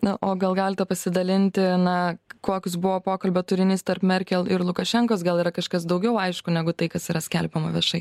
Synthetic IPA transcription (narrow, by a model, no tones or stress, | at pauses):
nɐʔoːɡɐlˠɡɑːlʲɪt̪ʲɛpɐsʲɪd̪ɐlʲɪnʲt̪ʲɪnɐkoːkʲʊs̬bʊʋoːpoːkɐlʲbʲoːt̪ʊɾʲɪnʲɪːst̪ɐrpmʲɛɾʲkʲɛlˠɪɾlˠʊkɐʃʲɛŋkoːs̬ɡɐlˠiːɾɐkɐʃkɐsd̪ɐʊɡʲɛʊɐɪʃkʊnʲɛɡʊt̪ɐɪkɐsiːɾɐsʲkʲɛlʲpʲɛmɐʋʲiɛʃɐɪ